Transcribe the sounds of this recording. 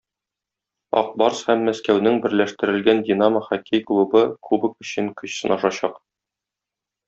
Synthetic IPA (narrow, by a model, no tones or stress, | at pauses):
ɒ̰q̚bɑɾshæmːæskæwnɘŋbɘ̆ɾlæʃt̪ɘ̆ɾɘ̆lɡændʲinaməχɒkʰijklˠubɤkubɤ̆kɵ̆ɕɘŋkɵ̆ɕsɤ̆nɒʃɑɕɑq